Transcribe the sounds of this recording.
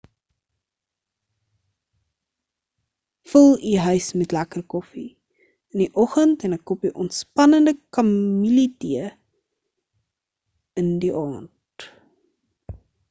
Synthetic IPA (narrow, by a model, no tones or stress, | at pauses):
fəlˠiɦœɥsmɛtlækərkɔfi | əniʔɔχəntɛnɛkːɔpiʔɔntspɐnəndəkɐmmilitiə | əndiʔɑːnt